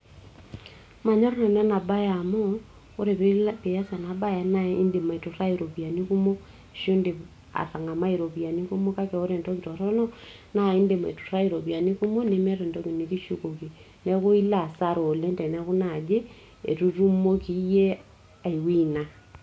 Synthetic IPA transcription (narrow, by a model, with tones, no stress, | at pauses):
ma˨ɲɔ˦ɾnɔ˨nɛ˦na˨ba˦ja˨mɔ˦ | o˦ɾe˨pe˦pe˨ja˦sa˨na˨ba˦ja˨na˦i˦nde˨ma˨i˨tu˨ra˦i˨ɾo˨pia˨ni˦ku˦mo˦˨ | ʃo˦nde˨ | a̰˨ta˨ŋa˨ma˦iɾo˨pi˨a˨ni˦ku˦mo˦ka˦kɛ˨o˦ɾe˨ntɔ˦ki˨tɔ˨ɾɔ˦nɔ˦ | na˦i˦nde˨ma̰˨i˨tu̥˨ra˦i˨ɾo˨pi˨a˨ni˦ku˦mo˦ne˦mɛ˦ɾe˨ndɔ˦ki˨ni˨ki˦ʃu˦ko˨ki˨ | nɛ˦ku˦i˦la˨sa˦ɾo˨le˦ndɛ˨nɛ˦ku˦na˨d͡ʒe˦ | ḛ˨tu˦ru˦mo˦ki˦je˦ | a˨i˨wi˦na˨